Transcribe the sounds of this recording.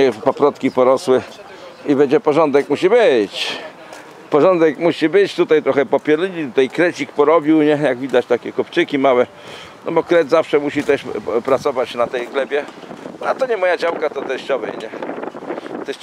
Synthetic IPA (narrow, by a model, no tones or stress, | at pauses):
ɛpapɾɔt̪kʲipɔɾɔswɘ | ibɛd͡ʑɛpɔʐɔnd̪ɛkmuɕibɘt͡ɕ | pɔʐɔnd̪ɛkmuɕibɘt͡ɕt̪ut̪ajt̪ɾɔxɛpɔpʲɛlɲit̪ut̪ajkɾɛt͡ɕikpɔɾɔbʲiwɲɛjaɡvʲid̪at͡ɕt̪akʲɛkupt͡ʂɘkʲimawɛ | nɔ̰bɔkɾɛd̪zafʂɛmuɕit̪ɛʂpɾat̪sɔvat͡ɕnat̪ɛjɡlɛbʲjɛat̪ɔɲɛmɔjad͡ʑawkat̪ɔt̪ɛɕt͡ɕɔvɛ̰jɲɛ | t̪ɛɕ